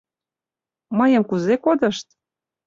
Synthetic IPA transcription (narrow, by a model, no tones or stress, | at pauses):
mɤjəmkuzekod̪ɤ̆ʃt̪̚